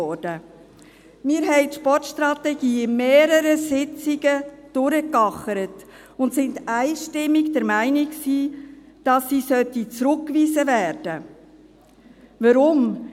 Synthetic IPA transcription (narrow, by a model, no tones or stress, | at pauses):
ɔɾd̥ə | mɪːɾɦɛɪtʃpɔɾtʃtɾɑt̪ɛɡiːmeːɾəɾəsɪt͡siɡəd̥ʊɾəkɑχəɾət | ʊntsɪndæɪʃtɪmːiɡd̥ɛɾmæɪnɪksiː | d̥ɑsːiːsœt̪it͡sɾʊkːʋiːzəvæːɾd̥ə | ʋəɾʊm